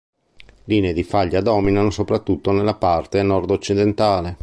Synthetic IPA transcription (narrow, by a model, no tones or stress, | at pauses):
liːneːd̪ifaʎːad̪ɔːminanosopɾat̪ːut̪ːonelːapart̪enɔrd̪ot͡ʃːid̪ent̪aːle